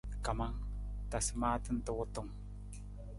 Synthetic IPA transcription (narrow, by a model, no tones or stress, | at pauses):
kamaŋt̪asmat̪ənt̪owot̪oŋ